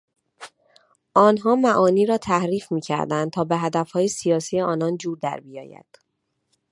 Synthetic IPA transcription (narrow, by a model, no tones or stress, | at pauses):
ʔɒːnɦɒːmæʔɒːniːɾɒːt̪ʰæhɾiːfmiːcʰæ̰ɾd̪ænd̪̚t̪ʰɒːbeɦæd̪æfhɒːjesijɒːsiːjeɒːnɒnd͡ʒuːɾd̪æ̰ɾbijɒ̰ːjæ̰d̪̥